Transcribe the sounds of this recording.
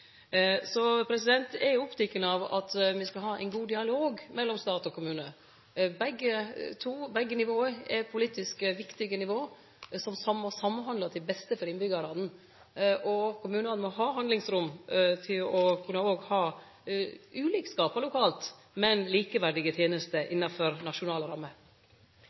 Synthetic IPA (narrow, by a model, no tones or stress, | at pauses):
sɔpʰɾɛsɪd̪ɛnt̪ɛɾjʊʊpt̪ʰɛkːənəɑʋɑ̰t̪mɪskɑlɦɑːʔɛ̰ɪnɡuːd̪ɪɑloːɡmɛlːɔmst̪ɑːt̪ɔkʰʊmʉːnə | bɛɡːət̪ʰuːbɛɡːənɪʋoːəɛpʰʊliːt̪ɪskəʋɪkt̪ɪɡənɪʋoː | sɔmsɑmːɔsɑmːənɦɑnd̪ɑt̪ʰɪbɛst̪əfɔɾɪnbʏɡɑɾɑd̪n̩ | ʔɔkʰʊmʉːnɑnnmɔɦɑːɦɑnd̪ɪŋsɾʊmt̪ʰɪlɔkʰʉnːəoːɡhɑː | ʔʉːliːkskɑːpɑlʊkʰɑːlt̪ | mɛnliːkəʋæɖɪɡət̪ʰjeːnəst̪əʔɪnːɑfɔɾnɑʂʊnɑːləɾɑmːə